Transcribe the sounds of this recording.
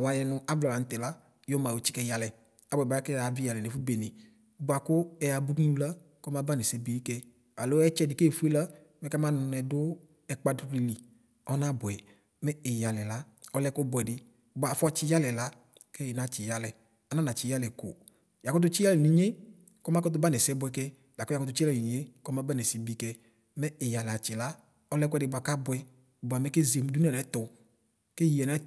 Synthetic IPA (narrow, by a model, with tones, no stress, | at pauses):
wa˨jɛ˧nʊ˧a˦blɔ˨la˨n̩˨tɛ˨la˦ | jo˦ma˨wo˨t͡ʃi̥˦kɛ˧ja˨lɛ˨ | a˨bɔ˨ɛ˨ba˨˦a˦kɛ˦˨a˨vi˦ja˨lɛ˨ne˨fu˦be˨nɪ˨˦ | ba˨kʊ˦ɛ˨a˧bu˦ku˧la˦ | kɔ˦m˦a˦ba˦nɛ˨sɛ˦be˨˦i˦kɛ˧ | a˨lo˦ɛ˦t͡ʃɛ˧˨dɪ˨˦ke˦˨fu˦e˦la˦ | mɛ˦ka˦ma˦nʊ˧nɛ˧dʊ˦ | ɛ˨k͡pa˦du˦ɾi˨li˨ | ɔ˦na˦bʊ˨ɛ˨ | mɛ˦ɛ˨ja˨lɛ˨la˦ | ɔ˧˦lɛ˧˦ko˦bɔ˨ɛ˨dɪ˦ | bʊ˨a˨fɔ˦t͡ʃɪ˦ja˦lɛ˨la˦ | kɛ˦jna˨t͡ʃɪ˨ja˦lɛ˨ | a˨na˦na˨t͡ʃɪ˨ja˦lɛ˨ko̰˨ | ja˨kɔ˦t̬ʊ˦t͡ʃɪ˦a˦lɛ˨ni˨ɲe˦ | kɔ˦ma˦kɔ˦t̬ʊ˦ba˦nɛ˨sɛ˦bʊ˧ɛ˧kɛ˦ | da˨kɔ˦ja˨kɔ˦tʊ˧˦t͡ʃi˦a˦ɛ˨e˦kɔ˦ma˦ba˦nɛ˨si˨bi˦kɛ˧ | mɛ˦ɪ˨ja˨la˨t͡ʃɪ˨la˦ | ɔ˧lɛ˧kʷɛ˨dɪ˨bʊ˨a˨ka˦bʊ˨ɛ˧˨ | bʊ˨a˨mɛ˦ke˦ze˨m˦du˦n˦ɛ˨lɛ˨˦tʊ˨ | ke˦ji˨ɛ˨nɛ˨˦